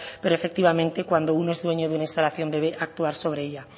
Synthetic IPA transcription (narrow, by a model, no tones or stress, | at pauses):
peɾoefek̚t̪iβamẽnt̪ekwand̪ounoezðweɲoðunaĩnst̪alaθjond̪eβeʔak̚t̪uaɾsoβ̞ɾeeʎa